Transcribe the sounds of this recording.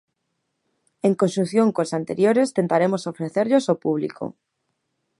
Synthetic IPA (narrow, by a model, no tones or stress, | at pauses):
eŋkonsunθjõŋkosant̪ḛɾjoɾest̪ent̪aɾemosofɾeθeɾʎosopuβ̞lḭkʰo̰